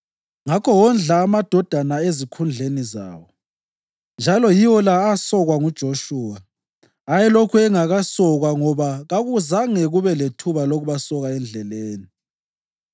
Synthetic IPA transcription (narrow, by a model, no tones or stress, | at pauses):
ŋakʰɔwɔnd͡ɮʱaːmad̥ʱɔd̥ʱanaezikʰund͡ɮʱeniza̰ːwɔ | nd͡ʒʱalɔjiwɔlaːsɔɣwaŋud̥ʒ̥ʱoʃuːwa | ajɛlokʰuɛŋaɣasɔɣwaŋɔβaɣaɣuzaŋɛɣuβɛletʰuβaloɣuβasɔɣaɛnd͡ɮʱɛleːni